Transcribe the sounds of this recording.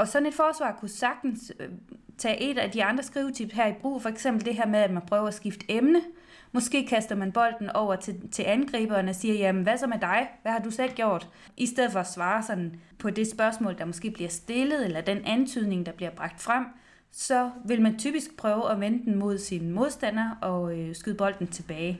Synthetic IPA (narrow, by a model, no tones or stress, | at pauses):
ɒ̽sɒ̽ne̝d̥fɒːsʋɑ̰̈ːkʰusɑ̈ɡ̥̚d̥n̩s | t͡sʰɛ̰ːʔe̝d̥æd̥iɑ̈nd̥ʁɐsɡ̥ʁiːʊt͡sʰib̥ɦæɐ̰ib̥ʁṵːfɒ̽eɡ̥sem̰b̥l̩d̥e̝ɦæɐmeðˠæd̥mænpʰʁœːʊɐæsɡ̥ifd̥əemnə | mɒ̽sɡ̥e̝̰ːkʰæsd̥ɐmænb̥ɒ̽l̰d̥n̩ɒʊ̰ɐt͡sʰet͡sʰe̝lænɡ̥ʁḭːb̥ɐnəsiːɐjæmnʋæsɒ̽med̥ɑ̈ɪʋæhɑ̈d̥usel̰ɡ̥jo̝ɐ̰d̥ | ʔisd̥eð̰̩ˠfɒ̽æsʋɑ̈ːsɒ̽n̰n̩pʰɒ̽d̥e̝sb̥ɶɐsmɔ̰ːld̥ɑ̈mɒsɡ̥e̝̰ːb̥liɐsd̥e̝ləð̞̩ˠelɐd̥enʔænt͡sʰyð̞̰ˠne̝ŋd̥ɑ̈b̥liɐb̥ʁɑ̈ɡ̥̚d̥fʁam̰ | sɒ̽ʋe̝lmænt͡sʰy̰ːb̥isɡ̥̚pʰʁœːʊəʔɒʋenəd̥en̩mo̝ð̞̰ˠsinmo̝ðˠsd̥æn̰ɐʔɒ̽sɡ̥yðˠb̥ɒ̽l̰d̥n̩t͡sʰe̝b̥ɛːɪ